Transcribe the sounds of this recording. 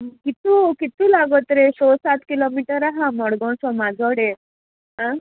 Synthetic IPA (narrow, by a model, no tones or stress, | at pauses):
kit̪ukit̪ũlaɡɔt̪ɾesɔsat̪kilomiʈəɾaɦãmɔɽɡɔ̃ɳsɔmad͡zʱɔɽe | ɦã